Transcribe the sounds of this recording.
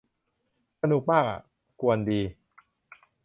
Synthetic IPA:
sa˧nu˨˩k̚maː˥˩k̚a̰˨˩ | ku˧əndiː˧

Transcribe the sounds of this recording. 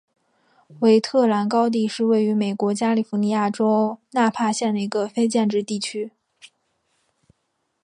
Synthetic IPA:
we˧˥ɪt̪ʰɤ˥˩la˧˥nkɑ˥ʊt̪̬i˥˧ʂɻ̩˥˧we˥˩ɪy˧˥me˨˩ɪkwɔ˧˥t͡ɕja˥li˨˩fu˧˥ni˧˥ja˥˩ʈ͡ʂo˥ʊna˥˧pʰa˥˧ɕjɛ˥˩nd̪ə˩i˧˥ɡə˧fe˥ɪt͡ɕjɛ˥˧nʈ͡ʂɻ̩˥˧t̪i˥˩t͡ɕʰy˥

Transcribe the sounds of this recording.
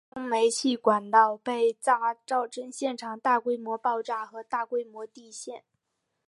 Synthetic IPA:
ʊ˥ŋme˧˥ɪt͡ɕʰi˥˩kwa˨˩nt̪ɑ˥˧ʊpe˥˧˩ɪt͡sɑ˥˩ŋ˧˥ʈ͡ʂɑ˥˩ʊʈ͡ʂə˥ŋɕjɛ˥˩nʈ͡ʂʰɑ˨˩ŋt̪a˥˩kwe˥ɪmwɔ˧˥pɑ˥˧ʊʈ͡ʂa˥˩xɤ˧˥t̪a˥˩kwe˥ɪmwɔ˧˥t̪i˥˧ɕjɛ˥˩n

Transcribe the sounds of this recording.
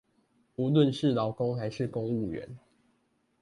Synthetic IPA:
u˨˦lwə˥˨nʂɻ̩˥˨lɑ˨˦ʊko˦ŋxa˧˦ɪʂɻ̩˥˨kʊ˦ŋu˥˨ɥɛ̰˨˧˦n

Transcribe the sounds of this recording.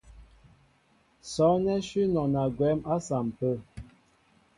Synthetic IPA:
sɔ˨˦nɛ˦ʃi˦nɔ˨na˨ɡwɛ˨˦ma˦sa˨m˨pə˦˨

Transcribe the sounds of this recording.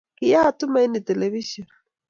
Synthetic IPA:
kʼɪja˦tʊ˦ma˦i˦ni˨tʼɛ˨leβiʃɔn

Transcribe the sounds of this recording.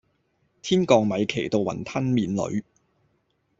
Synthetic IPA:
t̪ʰiː˥nkɔː˧ŋmɐ˨˧jkʰe˨˩jt̪o˨˧wɐ̰˨˩nt̪ʰɐ˥nmiː˨˧nlɵ̰˨˧˥ɥ

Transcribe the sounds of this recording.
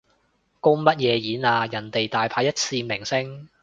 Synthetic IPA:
ko˥mɐ˥t̚jɛː˨˧jiː˨˥naː˧jɐ˨˩nt̪e˨jt̪aː˨jpʰaː˧jɐ˥t̚t͡sʰiː˧mɪ˨˩ŋsɪ˥ŋ

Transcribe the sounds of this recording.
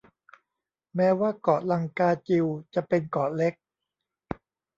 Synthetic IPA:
mɛː˦˥waː˥˩kɔː˨˩la˧ŋkaː˧t͡ɕi˧wt͡ɕa˨˩pe˧nkɔː˨˩le˦˥k̚

